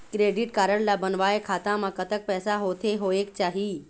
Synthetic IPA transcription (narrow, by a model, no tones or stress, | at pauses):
kɾeːɖɪʈkaːɾəɽlabənʋaːekʰaːt̪ãmãkət̪ək̚pɛːsaɦoːt̪ʰeɦoːeːk̚t͡ʃaːɦi